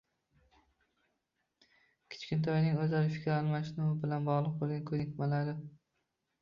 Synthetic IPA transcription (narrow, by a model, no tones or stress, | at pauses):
kʲʰɪ̥t͡ʃkʲɪnt̪ʰɒjnɪŋɵzlaɾɪfɪ̥kʲʰɾalˠmaʃnuwɪbɪlanbɒʁlˠɨq̚bolˠɡankʰɵnɪkʲmalaɾɪ